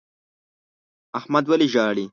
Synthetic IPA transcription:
ahmad̪wɐliʒɑːɽi

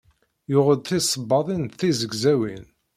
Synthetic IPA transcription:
jʊʁəd̪θisˤəbːɑðˤinθizəɡzæwin

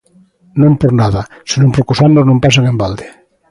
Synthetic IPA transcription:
nõmpoɾnaðɐsenõmpoɾkosanoznõmpasaŋẽmbald̪e

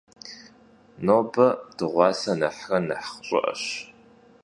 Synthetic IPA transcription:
noːbɐd̥ɨʁʷɑːsɐnɐħrɐnɐħχɕʼɪ̰ʔɐ̰ɕ

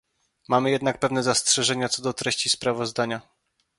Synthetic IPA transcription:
mamɘjɛd̪nak̚pɛvnɛzastʂɛʐɛɲat̪sɔd̪ɔt̪ɾɛɕt͡ɕispɾavɔzd̪aɲa

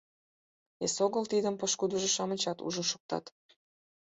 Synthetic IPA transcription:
esoɣəlt̪id̪əmpəʃkud̪ə̆ʒeʃɑmət͡ɕɑt̪ṵʒənʃu̥k̚t̪ɑ̰t̪

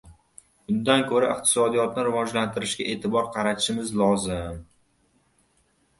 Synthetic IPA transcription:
bʊnd̪ankʰɵɾaɪqt̪ʰɪ̥sɒd̪ijɒt̪nɪɾɪvɒd͡ʒlant̪ʰɪɾɪʃɡʲaʔe̞ːt̪ʰɪbɒɾqʰɑɾat̪ʰɪ̥ʃɪmɪzlɒzɪm

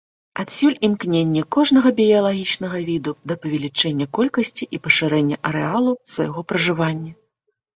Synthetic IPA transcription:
at̪sʲulʲimknʲenʲːɐkɔʐnɐɣɐbʲijɐlˠaɣʲit͡ʂn̪ɐɣɐvʲid̪ud̪ɐpɐvʲɛlʲit͡ʂɛnʲːɐkɔlʲkɐsʲt͡sʲiʔipɐʂɨɾɛnʲːɐʔɐɾɛalˠusva̰jɣɔpɾɐʐɨvanʲːɐ

